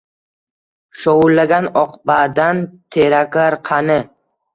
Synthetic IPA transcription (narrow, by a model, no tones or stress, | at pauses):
ʃowʊlːaɡʲanɒqbad̪ant̪ʰeɾakaɾqʰɑnɪ